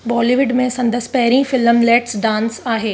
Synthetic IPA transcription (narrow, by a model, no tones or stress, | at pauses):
bɔːliːʋɪɖmẽsɐ̃nd̪əspɐɦɾĩfɪlmleːʈsɖãːnsaːɦeː